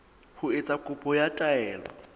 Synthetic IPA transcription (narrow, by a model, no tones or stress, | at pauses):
hʊɪt͡sʼakʼʊpʼɔjatʼaɛːlɔ̰